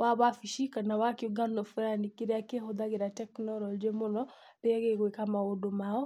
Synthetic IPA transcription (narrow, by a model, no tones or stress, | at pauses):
waβafiʃikanawakioɡanɔfeɾanikiɾeakeɦod̪aɣeɾatɛknɔɾɔld͡ʒemonɔ | ɾeaɣeɣwekamaodomaɔ